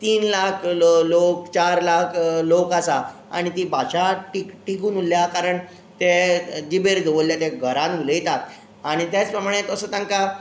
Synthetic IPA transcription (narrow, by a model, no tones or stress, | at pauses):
t̪iːnlakʰlok̚t͡ɕaɾlakʰlokasaa̰ɽ̃it̪ibaɕaʈikʈikuːnuljakaɾəɳ | t̪ed͡ʑibeɾd͡zoʋoljat̪eɡʱəɾãnuləjt̪at̪̚ | aɽ̃it̪jat͡spɾəmaɽ̃et̪əsət̪ãŋka